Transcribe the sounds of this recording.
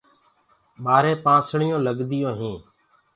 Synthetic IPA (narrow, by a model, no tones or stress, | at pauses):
ɓaːɾẽːpãːsɳɪjõːləɡd̪ɪjõːɦĩː